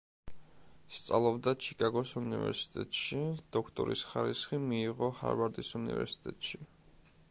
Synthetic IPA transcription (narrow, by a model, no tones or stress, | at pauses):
st̪sʼa̰lˠɔbd̪at͡ʃʰi̥kʼaɡɔsunivɛ̰ɾsi̥t̪ʼɛt̪ʼʃid̪̥ɔkʰt̪ʼɔ̰ɾḭsχaɾisχimiːʁɔha̰ɾvaɾd̪isunḭvɛ̰ɾsi̥t̪ʼɛt̪ʼʃi